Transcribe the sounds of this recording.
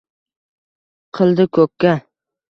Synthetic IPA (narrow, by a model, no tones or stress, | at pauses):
qʰɨlˠd̪ɪkʲʰɵkʲʰːa